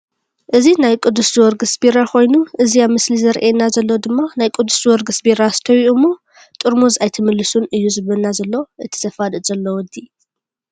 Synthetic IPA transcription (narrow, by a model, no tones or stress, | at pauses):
ʔɨzinajkʼɨd̪ːuswɔɾɡɨsbiɾakʰo̞jnuʔɨziamɨslizɐɾʔenazɐlːod̪ɨmːanajkʼʊd̪ːuszwɔɾɡɨsbiɾast̪ʰɐwiʔumːo | t̪ʼɨɾmuzajt̪ʰɐmɨlːɨsunɨjːuzɨβɐlnazɐlːoʔɨt̪ʰi̥zɐfad̪ɨz̥ɐlːowɔd̪i